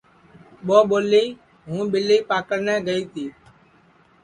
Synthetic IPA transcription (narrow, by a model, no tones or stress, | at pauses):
ɓoːɓoːliː | ɦũːɓɪliːpaːkəɽnɛːɡəiːt̪ʰiː